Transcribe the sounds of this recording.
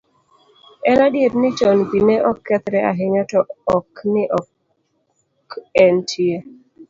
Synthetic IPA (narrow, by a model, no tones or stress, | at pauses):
ɛnadjetnɪt͡ʃɔnbinɛʔɔkːɛt̪ɾɛaɦɪɲatɔɔknɪʔɔ | kɛntʰie